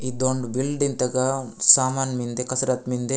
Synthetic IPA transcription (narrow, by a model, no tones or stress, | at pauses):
id̪oɳɖbilɖint̪ɐɡɐsaːmaːnmind̪ekɐsɐɾat̪mind̪e